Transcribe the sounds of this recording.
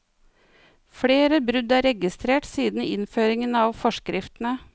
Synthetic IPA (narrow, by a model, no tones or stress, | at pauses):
fɽeːɾəbɾʉd̪æːɾɛɡɪst̪ɾeːʈsiːd̪n̩ɪ̰nføːɾɪŋənɑːʋfɔʃkɾʔɪft̪n̩ə